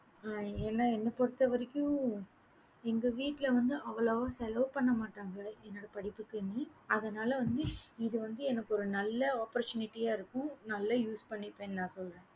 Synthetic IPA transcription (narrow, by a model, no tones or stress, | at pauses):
aːeːnːaːɛnːɐpɔɽɯt̪ːɐʋɐɾɪkʲːʊ̃ | ɛŋɡɐʋiːʈːɪlɐʋɐnd̪ɯʔɐʋɐlɐːʋãːsɛlɐʋpɐɳːɐmaːʈːaːŋɡɐɛnːoːɽɐpɐɽɪpːɯkːɯniːɐðɐnaːlɐʋɐnd̪ɯɪðɯʋɐnd̪ɯɛnɐkːɯɔɾɯnɐlːɐaːpɐɾt͡ʃʊnɪʈːijaːɪɾɯkːʊ̃nɐlːɐjuːspɐɳːɪpːẽːnnãːsɔlɾẽː